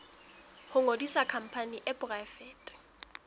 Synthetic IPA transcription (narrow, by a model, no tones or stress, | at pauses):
hʊŋodisakʰam̩pʰaniʔɛpʊraɪfɛːtʼ